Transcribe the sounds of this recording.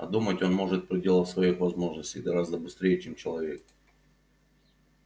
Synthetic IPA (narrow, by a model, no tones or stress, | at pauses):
ɐ̰d̪umətʲo̞nmo̞ʐɨt̪̚pɾʲɪdʲe̞lˠəfsvɐixvɐzmo̞ʐnəsʲtʲɪjɡɐɾazd̪əbɨst̪ɾʲejɪt͡ɕemt͡ɕɪlˠɐvʲe̞k̚